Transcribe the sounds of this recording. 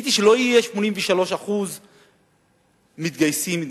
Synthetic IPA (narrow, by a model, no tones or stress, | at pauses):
t̪iʃelo̞ijeʃmo̞ninɱveʃalo̞ʃaχuz | mit̪ɡajsimit